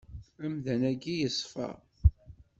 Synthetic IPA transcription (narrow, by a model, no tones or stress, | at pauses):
æmðænæɡijəsˤfə̰ʁ